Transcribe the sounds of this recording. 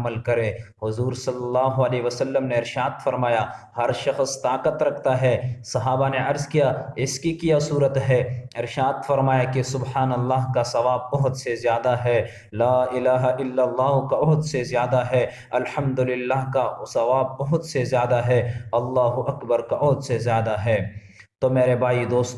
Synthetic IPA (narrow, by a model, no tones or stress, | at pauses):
məlkɐɾẽːɦʊzuːɾsɐlːɐlːaːɦʊɐleːʋəsɐlːəmneɪɾʃaːd̪fɐɾmaːjahɐɾʃɐxst̪aːqət̪ɾɐkʰt̪aɦɛsɐɦaːbaneʔɐɾzkijaɪskikijasuːɾət̪ɦɛɪɾʃaːd̪fɐɾmaːjakesʊbhaːnɐlːaːɦkasɐʋaːb̚ːɐɦʊt̪sezjaːd̪aɦɛː | laːɪlaːɦaʔɪlːɐlːaːɦkabɐɦʊt̪sezjaːd̪aɦɛ | ɐlħɐmd̪ʊlɪlːaːɦkasɐʋaːb̚ːɐɦʊt̪sezjaːd̪aɦɛɐlːaːɦuʔɐkbəɾkaʔɔɦʊt̪sezjaːd̪aɦɛː | t̪omeːɾebʱaːid̪oːst̪